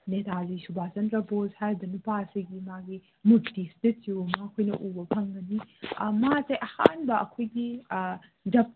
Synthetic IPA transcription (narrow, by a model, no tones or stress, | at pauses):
netazisubʱazɐntɾɐbozhajbɐnupaɐsiɡimaɡi | mudistit̚siwmakʰojnɐ̰ʔubɐpʰɐŋɡɐnimazejʔɐha̰nbɐʔɐkʰojɡi | d͡ʒɐp̚